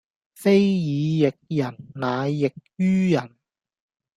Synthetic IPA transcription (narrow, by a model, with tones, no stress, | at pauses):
fe˥jjiː˨˧jɪ˨k̚jɐ˨˩nnaː˨˧jːɪ˨k̚jyː˥jɐ˨˩n